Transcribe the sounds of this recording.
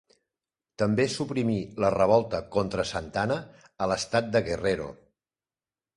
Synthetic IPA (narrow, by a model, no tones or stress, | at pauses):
t̪əmbesupɾimilərəβ̞ɔlˠt̪əkont̪ɾəsənt̪anəː | ləst̪at̪̚d̪əɣereɾo̰